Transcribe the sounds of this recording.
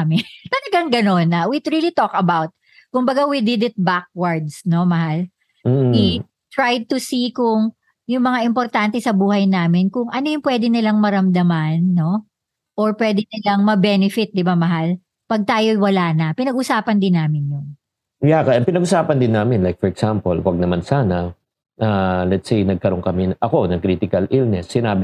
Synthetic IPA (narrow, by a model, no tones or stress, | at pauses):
mɪt̪ɐlɐɡaŋɡɐno̞nɐwit̪ɹilit̪okɐbawt̪̚ | kʊmbɐɡawid̪ɪd̪ɪt̪̚bak̚wɐɹd̪sno̞mɐhal̩ː | i | t̪ɹajd̪̚t̪ʊsikʊŋ | jʊŋmɐŋaʔɪmpoɾt̪ant̪ɛsɐbuːhɐjnaːmɪnkʊŋʔɐnojʊŋpwɛːd̪ɪnɪlɐŋmɐɾɐmd̪ɐmanːo̞ | ʔoɹpwɛːd̪ɛnɪlɐŋmɐbɛːnɛfɪt̪̚d̪ɪbamɐɦal | pɐɡ̚t̪aːjowɐlaːnɐpɪnɐɡʔʊsaːpɐnd̪ɪnːaːmɪnjʊn | jakɐɐmpɪnɐɡʔʊsaːpɐnd̪ɪnːaːmɪnlajk̚fɔɹɛɡsampolwɐɡ̚nɐmansaːnɐ | ʔalɛt̪sejnɐɡ̚kɐɾoŋkɐmɛnʔɐko̞nɐŋkɾiːt̪ɪkɐlʔilnɛsːɪnaːbɪ